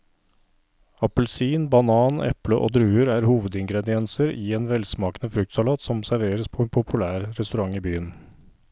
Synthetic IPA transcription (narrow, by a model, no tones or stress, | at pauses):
ɑpəlsiːnbɑnɑːnɛ̰pləʔo̰ːd̪ɾʉːəɾæːɾhuːʋəd̪ɪŋɡɾɛd̪ɪɛnsəɾiːeːnʋɛlsmɑːkənəfɾʉk̚t̪sɑlɑːt̪sɔmsæɾʋeːɾəspʰoːɛːnpʰʊpʰʉlæːɾɾɛst̪ʉɾɑŋiːbyːən